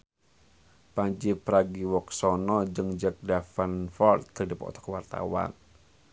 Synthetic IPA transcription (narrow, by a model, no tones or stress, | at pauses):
paɲd͡ʒipɾaɡiwɔk̚sɔnɔd͡ʒəŋd͡ʒak̚dafanfɔrt̪̚kərdipɔ̰t̪ɔ̥kəwart̪a̰wa̰n